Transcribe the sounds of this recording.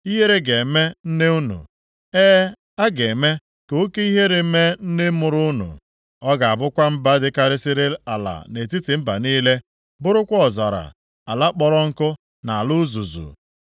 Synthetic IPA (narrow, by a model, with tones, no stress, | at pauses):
i˦ɦe˦ɾe˦ɡe˨me˦n̩˦ne˦u˦nṵ˨ | eː˦ | a˦ɡe˨me˦ | ko˦ke˦i˦ɦe˦ɾe˨˦me˦n̩˦ne˦mʊ˨ɾʊ˦ʊ˦nṵ˨ | ɔ˦ɡa˨a˨bʊ˦kʷa˦m̩˦ba˦dɪ˦ka˨ɾɪ˦sɪ˦ɾe˦a˨la̰˨ne˨ti˦tɪ˨m̩˦ba˨niː˦le˦ | bʊ˦ɾʊ˦kʷɔ˨za̰˨ɾa̰˨ | a˨la˦k͡pɔ˦ɾɔ˦ŋ̩˦kʊ˦ | na˨a˨lʊ˦zu˨zṵ˨